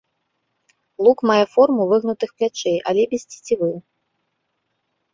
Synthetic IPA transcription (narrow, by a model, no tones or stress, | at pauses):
lˠukmajɛfɔrmuvɨɣnut̪ɨxplʲat͡ʂeja̰lʲɛbʲisʲt͡sʲe̥t͡sʲivɨ